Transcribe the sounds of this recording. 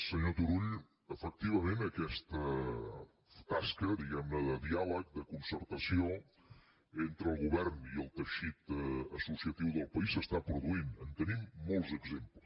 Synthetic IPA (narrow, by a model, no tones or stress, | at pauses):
səɲot̪uɾuʎ | əfək̚t̪iβəmenəkɛst̪ə | t̪askəd̪iɣɛmnəðəðialək̚d̪əkunsəɾt̪əsio | ent̪ɾəlˠɣuβɛɾniəlˠt̪əʃit̪əsusiət̪iwðəlˠpəisəst̪apɾuðuinənt̪ənimːolˠzəɡzempləs